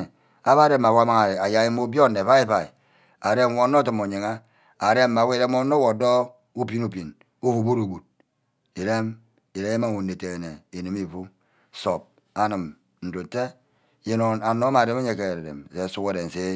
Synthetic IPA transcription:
a˦ba˦de˦˨mːa˨wʷa˦ma˦ŋa˨a˨ja˨˦e˦mo˦bo˦nː˨e˨fa˦i˦fa˨i˨ | a˨ɾe˦˨˦wo˨˦no˦ti˨mo˨ɲi˨ŋa˦ | a˨ɾe˦mːa˨wʷe˦i˨ɾe˦m˦o˦no˦wo˨do˦ | u˦pi˦nu˦pi˨n | u˦fu˨bu˦ɾu˨ɡu˨t̚ | i˨ɾe˦m | i˨de˦e˦ma˦ŋ˨u˨ne˨te˨ɣe˨ne˨i˨ni˨mi˨fu˦ | so˨p̚ | a˨nɨ˨m | n̩˨do˨te˦ | je˦no˨a˨no˦ma˨de˦m˦e˦ɲe˦ke˨ɾe˨dḛ˨m˨se˨˦su˦ke˦de˨n̩˨se˦

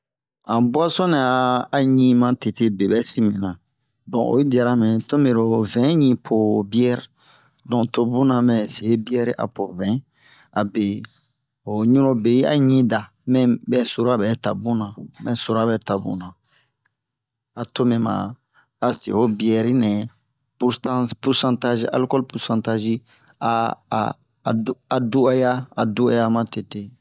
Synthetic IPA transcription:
ã˨ba˦sɔ̃˦nɛ̃˨aː˨ɲĩ˦mã˨te˨te˦be˨bɛ˦si˦mĩ˨nã˨ | dɔ̃˨ʔo̰˨˦i˦da˨ɾa˦mɛ̃˨to˦me˨ɾo˨vɛ̃˨˦ɲĩ˦pʰo˨bi˦ɛ˦ɾi˨ | dɔ̃˨to˦bũ˦nã˨mɛ̃˨se˨˦bi˦ɛ˦ɾi˦ʔa̰˨po˨vɛ̃˨˦ | a˨be˨ | o˨ɲũ˦ɾo˦be˨i˦a̰˦ɲĩ˦da˨ | mɛ̃˦bɛ˦so˨ɾo˦a˨bɛ˨˦ta˨bũ˦nã˨mɛ̃˨so˨ɾa˦bɛ˨˦ta˨bṵ̃˨nã˨ | a˨to˦mɛ̃˨mã̰˨ | a˨sḭ˨ho˦bi˦ɛ˦˨ɾi˦nɛ̃˨ | putã˦pu˦ɾsã˦nta˦ʒi˦a̰˨lu˦kɔ˦lpu˨ɾsã˨nta˦ʒi˦ | a˨ | a˨du˦a˦ja˦a˨du˦a̰˨ja˦mã˦te˨te˨

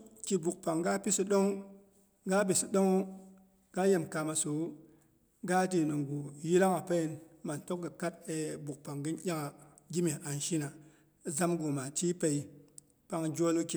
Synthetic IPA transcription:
ki˨bu˨k̚pa˨ŋɡa˦pi˦sɨ˧ɗo˦ŋ | ɡa˦bi˨sɨ˨ɗo˦ŋo˦ | ɡa˦je˨mka˨ma˨so˨˦ | ɡa˦ti˨nɨ˨ŋɡu˨ji˦la˦ŋa˨pe˦i˨nma˨n˨to˦k̚ɡɨ˨ka˦t̚e˨bu˨k̚pa˨ŋɡɨ˦njʲa˦ŋa˨ | ɡʲi˦mi˨a˨nʃi˦na˨ | za˦mɡu˨ma˨ti˦pe˨i˨ | pa˧ŋd͡ʒo˦lu˦ki˨

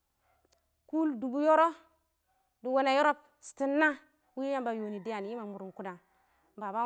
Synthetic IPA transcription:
ku˦ldu˨bu˦jo˦ɾo˦ | du˨wo˦na˨jo˦ɾo˦p̚ | si̥˨ti˦nːa˦ | wi˦ja˦mba˨jo˨ni˨di˦ja˨n˨ji˦ma˨mu˨ɾu˨mku˦da˨ | ba˨ba˦

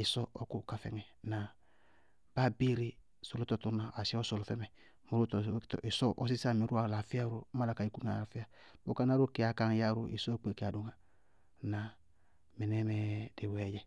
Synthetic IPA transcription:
i˨sɔ˦ʔɔ˨ku˦ka˨fɛ̰˨ŋɛ˨na˨ | b̥a˦bi˦ɾi˦ | so˨lo˦tɔ˨tu˦na˨a˨si˦ɔ˦so˨lo˨fɛ˦mɛ˨ | mo˨ɾu˦ttʔi˨sɔ˦ʔɔ˦s̬i˦sa˦˨mi˨ɾu˦a˨la˨fi˦a˦ɾo˦ma˦la˨ka˨i˦ku˦ŋa˨a˨fi˦a˦ | bo˦ka˦na˦ɾo˦ke˨˦a˨ka˦ŋ˦ja˦ɾo˨ḭ˨sɔ˦˨k͡pe˨ke˨a˨du˨ŋa˨ | na˨ | me˨nɛ˦mɛ˦d̥e˨wɛ˨jɛ˦

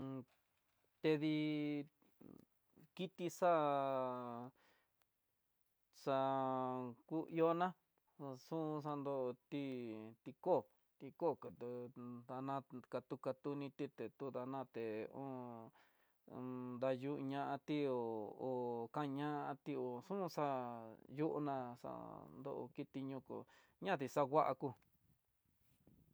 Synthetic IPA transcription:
t̪e˧ði˧ | ki˦t̪i˧ʂa˦ | ʂa˧ | ku˦i˧o˦nã˦˧ | sũ˦˧ʂ̬a˧nd̪o˧ʔt̪i˦t̪i˧ko˦˨ | t̪i˧ko˦˨kd̪a˧nã˦˧ka˧t̪u˧ka˧t̪u˧nĩ˧t̪i˦˧t̪e˨t̪u˦ða˧nã˦˧t̪e˨õ˦ | nd̪a˧ju˦ʔɲã˧ʔã˧t̪i˦o˨o˨kã˦˧ɲã˦ʔã˧t̪i˧o˨sũ˦˧˦sa˦ju˦ʔṵ˧nã˧ʂa̰˧nd̪o̰˦˧ʔo̰˧ki˦˧t̪i˧ɲũ˧ko̰˨ | ɲã˦˨t̪i˧sa˦ɣʷa˦ʔa̰˧ku˦

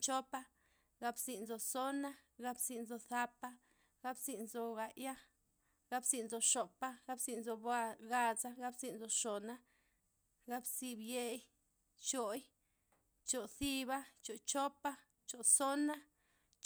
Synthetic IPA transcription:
t͡ʃo˦pa˧ | ɡa˧bsi˨nzo˨so˦na˦ɡa˦bsi˧nzo˧θa˧pa˦ | ɡ̥a˦bzi˨˧nzo˧ɡa˨ja˦ | ɡa˦bsi˧˨nzo˧ʂo˨pa˦ɡa˦bzi˧nzo˧ba˧ɡa˧za˦ɡa˦bzi˧nzo˧ʂo˨na˦ | ɡa˦bsi˧bje˧j | t͡ʃo˨j | t͡ʃo˨θi˦ba˦t͡ʃo˨t͡ʃo˦pa˦ | t͡ʃo˨so˦na˦

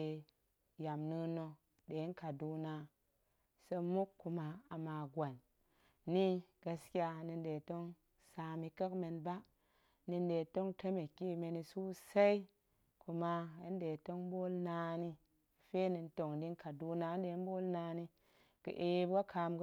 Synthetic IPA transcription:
e˨ | ja˨mnɨ˧nːo˧ | de˨˦n˦ka˨du˨na˧ | sə˦mu˦kːu˨ma˨a˨ma˨ɡwa˨nː | i˦ɡ̥a˧ski˦a˧ni˧nde˨to˦ŋ | sa˧mi˧kə˦kme˧nba˦ | ni˧nde˨to˦ŋte˦me˨ki˦me˧ni˧su˦sa˦i˦ | ku˨ma˧ḭ˦nde˨to˦ŋbo˦lnaː˧ni˦˨ | fe˦ni˧nto˨ŋdi˦nka˨du˧na˧˦nde˨˦bo˦lna˧ni˦ | kə̰˨ʔe˨˦ba˦kʰa˧mɡ

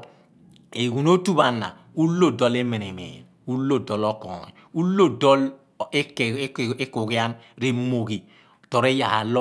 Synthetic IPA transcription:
e˨ɡu˨no˦tu˦ba˨nːa̰˨ | u˦lːo˦dɔ˦le˦me˨ne˨mḛː˨n˨u˦lːo˦˨dɔ˨lɔ˦kɔ̰˨nḭ˨u˦lo˦dɔ˦l | e˦ke˦ku˨ɣi˦a˦nɾe˦mo˨ɣi˨ | tɔ˨ɾe˦ja˨ha˨lɔ˦

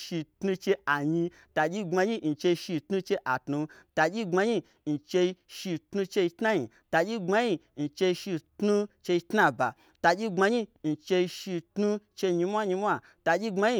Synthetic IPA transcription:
ʃi˧tnu˧t͡ʃe˧a˨ɲi˧ | ta˧d͡ʒʲi˦ŋ͡ma˧ɲi˦n̩˨t͡ʃe˧i˧ʃi˧tnu˧t͡ʃe˧ʔa˨tnu˧ta˧d͡ʒʲi˦ŋ͡ma˧ɲi˧ | n̩˨t͡ʃe˧i˧ʃi˧tnu˧t͡ʃe˧ji˧tna˦ɲi˨ | ta˧d͡ʒʲi˦ŋ͡ma˧ɲi˧n̩˨t͡ʃe˧i˧ʃi˧tnu˦t͡ʃe˧i˧tna˦˧ba̰˨ | ta˧d͡ʒʲi˦ŋ͡ma˧ɲi˦n̩˨t͡ʃe˧i˧ʃi˧tnu˦t͡ʃe˧ɲi˧mʷ˦a˦ɲi˧˦mʷ˦a˦˨ | ta˧d͡ʒʲi˦ɡ͡ba˧ɲi˧

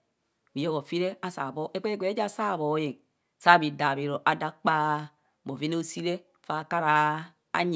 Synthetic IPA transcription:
bi˨jo˦ɣo˨fi˦ɾe˦a˦sa˨bo˦ʔe˦k͡pe˦ɡʷe˨˦e˦d͡ʒa˦˨sa˦˨βo˨˦je˨ŋ | sa˦˨bi˨da˨bi˨ɾo˨ʔa˨da˦k͡pa˦ | bo˨vi˦ne˦o˦si˦ɾe˦ | fa˦˨ka˦ɾa˨ | a̰˦ɲ˨

